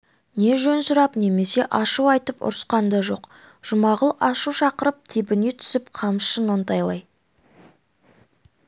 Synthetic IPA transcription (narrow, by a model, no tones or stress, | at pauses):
ne̞ʒɵnsʊɾɑpne̞me̞se̞ʔɑʃuɑjt̪əpʊ̰ɾəsqɑnd̪ɑʒo̞̰q | ʒ̥ʊmɑʁəlˠɑʃuwʃɑqəɾəp̚t̪ʰebɪnet̪ʰʏ̥sɪp̚qʰɑmʃʃənont̪ɑjlˠɑj